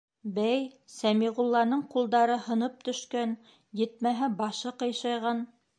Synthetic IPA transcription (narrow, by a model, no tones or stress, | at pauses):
bæjsæmiʁulˠːɑnɤɴqulˠd̪ɑɾɤhɤ̆nɤp̚t̪ɵ̆ʃkæn | jɘ̆t̪̚mæɦɘbɑʃɤqɤ̆jʃɑjʁɑn